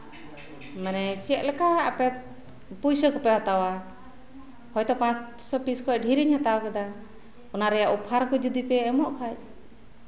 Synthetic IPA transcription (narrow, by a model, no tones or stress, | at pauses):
mɛnɛt͡ʃɛt̪̚lɛkaapɛt̪̚ | pujsəkɔpɛhat̪awa | hɔjt̪ɔpãt͡ʃ | sɔpiskɔc̚ɖʱiɾiɲhat̪awakad̪a | ɔnaɾɛjaʔupʰaɾkɔd͡ʒud̪ipɛːmɔʔkʰac̚